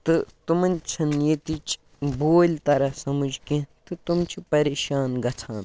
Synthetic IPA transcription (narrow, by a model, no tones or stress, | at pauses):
t̪ɨt̪umɐnʲt͡ʃʰɐnjet̪it͡ʃ | boːlʲt̪ɐɾɐsɐmud͡ʒkẽt̪ɨt̪umt͡ʃʰipɐɾeːʃaːnɡɐt͡sʰaːn